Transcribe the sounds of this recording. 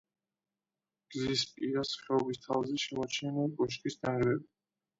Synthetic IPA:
ɡ̥zispʼiɾasχɛɔbist̪ʰavzɛʃɛmɔt͡ʃʰɛnɛkʼɔʃkʼisd̪aʁɾɛbi

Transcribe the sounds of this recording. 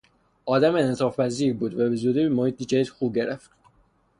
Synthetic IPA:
ʔɒːd̪æmenet̪ʰɒːfpæziːɾbuːd̪væbezuːd̪imohiːt̪̚id͡ʒæid̪xuːb̚ɟe̞ɾʔeft̪

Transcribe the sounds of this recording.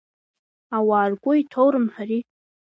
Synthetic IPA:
awaːrɡʷʼʊitʰowɾɨmħari

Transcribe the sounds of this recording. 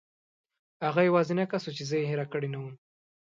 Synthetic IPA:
haɣajawɑzinakasot͡ʃezəjeɦeɾakəɽinawum

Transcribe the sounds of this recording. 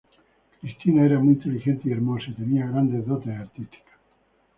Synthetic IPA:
kɾist̪inaeɾamujint̪elixent̪eieɾmosaet̪eniaɣɾand̪ezðot̪eðeaɾt̪ist̪i̥kḁ

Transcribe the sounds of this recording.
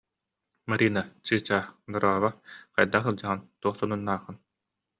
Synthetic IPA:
maɾiːnat͡ɕɯːt͡ɕaːnɔɾaːβaqa̰jd̪aχɯlˠd͡ʑaʁɯnt̪uɔχsɔnunːaːχɯn

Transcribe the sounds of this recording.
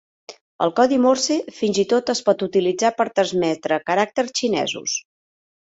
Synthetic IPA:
ə̰lˠkɔðimoɾsefinzit̪ot̪əspɔt̪ut̪ilid͡zapəɾt̪ɾəzmɛt̪ɾəkəɾak̚t̪ərst͡ʃinɛ̰zṵs

